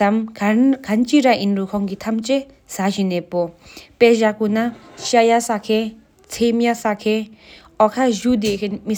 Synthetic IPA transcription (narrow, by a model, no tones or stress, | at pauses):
amɡʱɐnt͡ʃiɾaʔinɾukʰɔŋɡit̪ʰɐmt͡ʃe | sad͡ʒinɛpɔpɛd͡ʒakunaʃajasakʰe | t͡sʰemjasakʰe | ɔkʰad͡ʒud̪ekʰenmi